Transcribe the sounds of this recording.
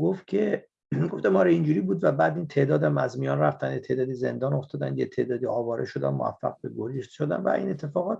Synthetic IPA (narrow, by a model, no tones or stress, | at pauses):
ɡoft̪̚cʲʰe̞ | ɡoft̪æmɒːɾeind͡ʒuːɾiːbuːd̪væbæːd̪int̪ʰe̞ːd̪ɒːd̪æmæzmijɒːnræft̪ænjet̪ʰe̞ːd̪ɒːd̪ize̞̰nd̪ɒːno̞ft̪ɒːd̪ænjet̪ʰe̞ːd̪ɒːd̪iːɒːvɒːɾʔeʃo̞d̪æ̰mmoæ̰fːæ̰ɣbeɡoliʃt̪ʃod̪æ̰nvæ̰ʔḭːne̞t̪ʰːe̞fɒːɣɒːt̪